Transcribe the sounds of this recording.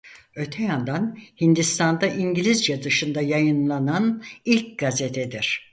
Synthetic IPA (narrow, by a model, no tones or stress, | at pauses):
ø̞t̪ʰɛjand̪anhind̪ist̪ʰand̪aʔiɲɟilʲizd͡ʒad̪ɯʃɯnd̪ajajɯnlˠananilʲc̚ɡ̥azet̪ʰɛd̪iɾ̥